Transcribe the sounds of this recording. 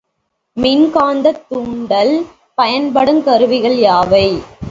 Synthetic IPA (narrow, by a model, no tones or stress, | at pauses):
mɪnkaːnd̪ɐt̪ːuːɳɖɐl | pɐjɐnpɐɽɯmkɐɾɯʋɪɣɐɭjaːʋɐɪ